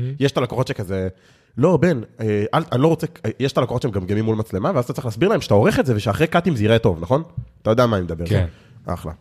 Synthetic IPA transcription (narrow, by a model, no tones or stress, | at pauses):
jeʃt̪alekoχo̞tʃekaze | lo̞beneʔalanilo̞ʁot͡sekjeʃtalekoχot͡ʃʃeemɡamɡemimːulmat͡sle̞maveazat̪at͡sʁiχlaːsbiʁlaemʃe̥t̪ao̞ʁeχetzeveʃeaχʁejkat̪imziʁet̪o̞vnaχo̞nat̪ajod̪eamaːnimed̪abe̞ʁ | ʔa̰χla̰